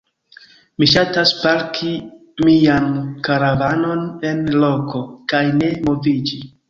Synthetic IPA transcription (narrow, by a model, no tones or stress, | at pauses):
miʃataspalkʰi | miankaɾavano̞ne̞nlo̞ko̞kajne̞mo̞vid͡ʒi